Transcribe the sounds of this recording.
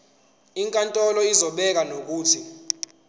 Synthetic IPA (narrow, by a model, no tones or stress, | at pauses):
iŋkʼantʼɔlɔizɔɓɛk̬anok̬uːtʰi